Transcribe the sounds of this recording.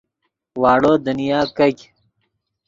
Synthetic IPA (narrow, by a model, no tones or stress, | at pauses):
waːɽoːd̪unijaːkɐkʲ